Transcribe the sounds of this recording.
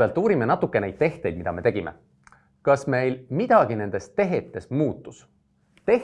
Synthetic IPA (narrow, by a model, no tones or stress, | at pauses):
elt̪ːˑuːɾimenɑt̪ːˑukːˑene̞jd̪̥̚t̪e̞ht̪ˑe̞jd̪̚mid̪ɑme̞t̪e̞ɡime̞̰ | kɑsme̞jlmid̪̥ɑɡ̥ine̞nd̪̥e̞stt̪e̞ɦet̪ːˑe̞smuːt̪ːus | t̪e̞h